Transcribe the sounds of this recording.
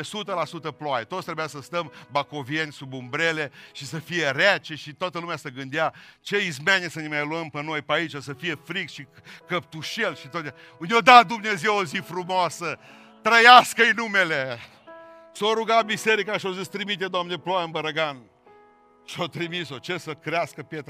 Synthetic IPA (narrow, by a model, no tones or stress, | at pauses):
esut̪əlasut̪əploajet̪ot̪sʲt̪ɾebujasəst̪əmbako̞vienʲsubumbɾele̞ʃisəfije̞ɾat͡ʃeʃit̪oat̪əlumeasəɡɨnd̪eat͡ʃe̞izmenʲesənemajluəmpəno̞jpait͡ʃasəfijefɾikʃikəp̚t̪uʃelʃit̪ot̪eaɨnd̪ʲod̪ad̪umnezewozifɾumoasə | t̪ɾəjaskəjnumele | soɾuɡabiseɾikaʃiozist̪ɾimit̪ed̪oamneleploanbəɾəɡan | ʃiot̪ɾimiso̞t͡ʃe̞səkɾeaskəpjet̪